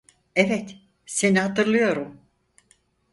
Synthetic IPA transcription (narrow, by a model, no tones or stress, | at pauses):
evɛt̪ | se̞nihat̪ɯɾlˠɯjo̞ɾum